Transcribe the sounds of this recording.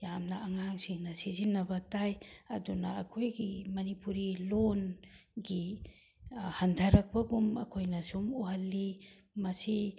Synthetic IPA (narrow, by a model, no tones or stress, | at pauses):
jamnɐʔɐŋaŋsiŋnɐsizinːɐbɐtajɐdunɐːkʰojɡimɐnipuɾilonɡi | hantʰɐɾɐk̚pɐɡumɐ̰kʰojnɐsumuɦɐlːi | mɐsi